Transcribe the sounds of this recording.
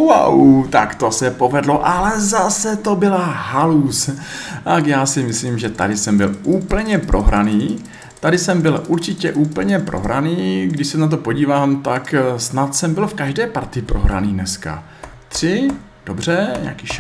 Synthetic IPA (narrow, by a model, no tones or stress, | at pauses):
wa̰wt̪akt̪osɛpo̞vɛdloʔalɛzasɛt̪o̞bɪlaɦalus | t̪akjaːsɪmɪsliːmʒɛt̪a̰dɪsɛmbɪlʔuːpl̩ɲɛpɾʔo̞ɦɾa̰niː | t̪adɪsɛmbɪlʔuɾt͡ʃɪcɛ̰ʔuːpl̩ɲɛpɾʔo̞̰ɦɾʔa̰niːɡdɪʃsɛnat̪̬o̞po̞ɟiːvaːmt̪aksnat̪sɛmbɪlfkaʒdɛːpaɾt̪ɪpɾo̞ɦɾa̰niːnɛska̰ | t̪r̝̥ɪ | d̥obr̝ɛɲa̰kiʃ